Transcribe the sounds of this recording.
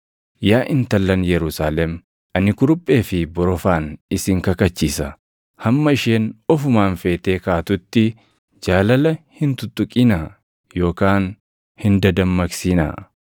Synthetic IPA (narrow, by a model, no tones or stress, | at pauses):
jaːʔɪnt̪ɐlːɐnjɛɾʊsaːlɛm | ɐnɪkʊɾʊpʼːe̞ːfɪbɔɾɔfaːnɪsɪŋkɐkɐt͡ʃːiːsɐ | hɐmːɐɪʃeːnɔfʊmaːnfe̞ːt̪eːkaːt̪ʊt̪ːɪ | d͡ʒaːlɐlɐhɪnt̪ʊt̪ʊkʼɪnɐ | jo̞ːkaːn | hɪnd̪ɐd̪ɐmːɐksinɐ̰